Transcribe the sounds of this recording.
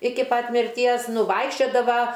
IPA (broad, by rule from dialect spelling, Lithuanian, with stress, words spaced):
ˈɪkʲɪ ˈpɐt mʲɪrʲˈtʲiɛs ˈnʊ ˈʋɐɪkʃʲt͡ʃʲoːdɐʋɐ